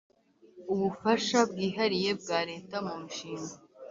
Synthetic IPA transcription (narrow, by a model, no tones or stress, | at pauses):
uβufaʃab̚ɡiːɦaɾije̞b̚ɡaːɾe̞ːtamumuʃiːŋɡa